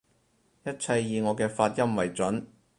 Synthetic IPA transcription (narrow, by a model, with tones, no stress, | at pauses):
jɐ˥t̚t͡sʰɐ˧jːiː˨˧ŋɔː˨˧kɛː˧faː˧t̚jɐ˥mwɐ˨˩jt͡sɐ˨˥n